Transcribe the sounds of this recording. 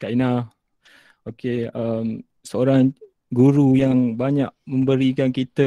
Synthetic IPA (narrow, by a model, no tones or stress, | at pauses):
kainah | okeəm | səoɾaŋ | ɡuɾujaŋbaɲaʔ̚mə̃mbəɾikankit̪ə